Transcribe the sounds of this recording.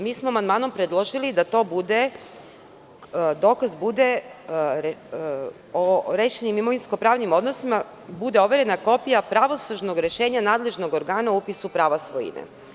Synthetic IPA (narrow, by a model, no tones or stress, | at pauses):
miːsmoamand̪maːno̞mpɾed̪lˠo̞ʒilid̪at̪o̞ːbud̪e | d̪o̞ːkazbud̪e̞ɾ | oɾeːʃenimimo̞ʋinsko̞pɾaːʋnimo̞d̪no̞sima | bud̪e̞o̞ʋe̞ɾenako̞pijapɾaʋo̞suʒno̞ɡɾe̞ʃe̞ːɲanaːd̪le̞ʒno̞ɡoɾɡaːnauupisupɾaːʋasʋojḭnḛ